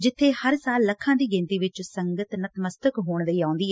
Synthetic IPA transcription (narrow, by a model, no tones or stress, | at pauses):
d͡ʒɪt̪ʰːeːhəɾsaːlːəkʰːãːd̪iːɡɪ̃nt̪iːʋɪt͡ʃsəŋɡət̪nət̪məst̪əkɦoːɳ̃d̪əiːãːʊnd̪iːɦɛː